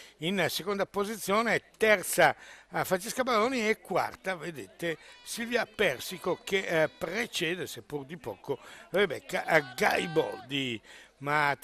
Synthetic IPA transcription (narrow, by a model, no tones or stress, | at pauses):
insekond̪apozit̪sːjɔːnet̪ːɛrt̪safɾant͡ʃeskabaloːniɛkːwa̰rt̪aved̪et̪esilviapɛrsikokepɾet͡ʃɛːd̪esepːurd̪ipɔ̰ːkorebɛ̰kːaɡa̰jbɔ̰ld̪ima